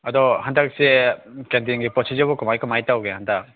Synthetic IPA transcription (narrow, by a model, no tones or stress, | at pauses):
ɐdɔhandak̚sekendiŋɡipɔsʰizabɔkumajkumajtawɡehandak̚